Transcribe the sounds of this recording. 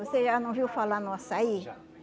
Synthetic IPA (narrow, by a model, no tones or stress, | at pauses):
oseʒanɐ̃w̃viwfalanũasai